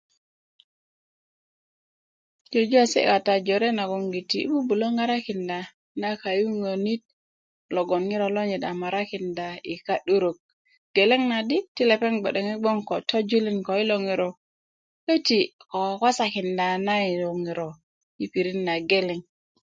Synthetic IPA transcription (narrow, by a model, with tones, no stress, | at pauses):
d͡ʒo˨d͡ʒu˦a˨sḛ˦ka˨ta˨d͡ʒo˨ɾe˦na˨ɡo˨ŋɡi˨tḭ˨˦bu˦bu˨lo˦ŋa˦ɾa˦ki˨nda˨ | na˦ka˨ju˦ŋo˨ni˦t̚ | lo˨ɡo˨nŋi˦ɾo˨lo˦ɲe˨da˨ma˨ɾa˦ki˨nda˨i˨ka˦ɗu˦ɾo˨k̚ | ɡ̥e˨le˦ŋna˨di˦ti˦le˨pe˦ŋɡ͡be˨ɗe˨ŋi˦ɡ͡bo˦ŋko˨tʰo˦d͡ʒu˦li˦nko˨i˦lo˨ŋi˨ɾo˨ | ke˦ti˨ko˨kʷa˦sa˨ki˨nda˨na˦i˨lo˨ŋi˨ɾo˨ | i˨pi˨ɾi˦nːa˨ɡe˦le˨ŋ